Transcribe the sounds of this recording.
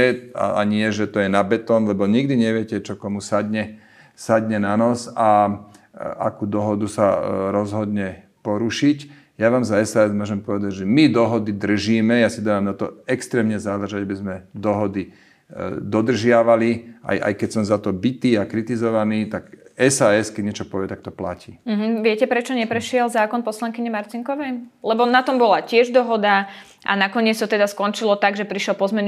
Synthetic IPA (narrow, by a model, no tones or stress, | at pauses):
ɛa̰a̰ɲɪɛʒɛt̪ɔjɛnabɛt̪ɔːnlɛbɔɲiɡd̪iɲɛʋɪɛcɛt͡ʃɔkɔmusad̪ɲɛ | sad̪ɲɛnanɔsa | ʔa̰kuːd̪ɔɦɔd̪usaɾɔzɦɔd̪ɲɛ | pɔɾuʃic | jaʋaːmzaɛsaɛzmʊɔʒɛmpɔʋɛd̪aɟʒɛmid̪ɔɦɔd̪id̪r̩ʒiːmɛjasid̪aʋamnat̪ɔ̰ɛkst̪ɾɛːmɲɛzalɾʒaɟabizmɛd̪ɔɦɔd̪i | d̪ɔd̪r̩ʒɪaʋaliʔa̰jʔa̰jkɛcsɔmzat̪ɔbit̪iːakɾit̪izɔʋaniːt̪akɛsaːɛskɛɟɲɛt͡ʃɔpɔʋɪɛt̪ak̚t̪ɔpla̰ciːm̩ɦ̩ʋɪɛcɛpɾɛt͡ʃɔɲɛpɾɛʃɪɛlzaːkɔnpɔslaŋkiɲɛmaɾt̪iŋkɔʋɛjlɛbɔnat̪ɔmbɔlacɪɛʒd̪ɔɦɔd̪a | ʔa̰nakɔɲɪɛt͡st̪ɔt̪ɛd̪askɔnt͡ʃilɔt̪aɡʒɛpɾiʃɔlpɔzmɛn